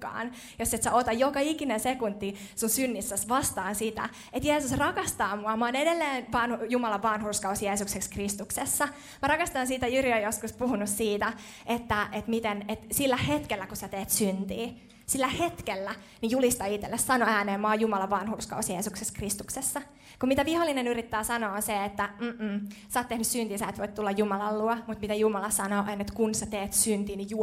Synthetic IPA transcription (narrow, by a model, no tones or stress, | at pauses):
kɑ̰ːn | josːet̪sæot̪ɑjokɑikinensekunt̪ːisunsynːisːæsʋɑst̪ɑːnsit̪æ̰ | et̪jeːsusrɑkɑst̪ɑːmuɑmoːnedelːeːnʋɑnhjumɑlɑʋʋɑnhurskɑusjeːsuksekskrist̪uksesːɑ | mɑɾɑkɑst̪ɑnsiːt̪æjyriojoskuspuhunussiːt̪æ | et̪ːæʔet̪mit̪enet̪silːæhet̪kelːækusæt̪eːt̪synt̪ḭː | silːæhet̪kelːæ | nijulist̪ɑit̪ːelːessɑnoæːneːmoɑːjumɑlɑʋʋɑnhurskɑ̰usjeːsukseskrist̪uksesːɑ | kumit̪æʋiholːinenyɾit̪ːæːsɑnoːnseet̪ːæm̩ːm̩ːsɑːt̪ːehnyssynt̪iːsæet̪ʋoijt̪t̪ulːɑjjumɑlɑlluomut̪mit̪æjumɑlɑsɑnoːʔenet̪kunsæt̪eːt̪synt̪iːniju